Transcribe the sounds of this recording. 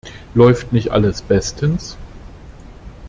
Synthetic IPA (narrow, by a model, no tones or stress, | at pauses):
lɔʏftnɪçtʔa̰ləsb̥ɛstʰəns